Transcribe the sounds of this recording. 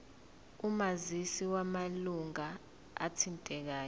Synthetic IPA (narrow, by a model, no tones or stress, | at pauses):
umazisiwamaluŋa | a̰tʰintʼɛk̬aːjɔ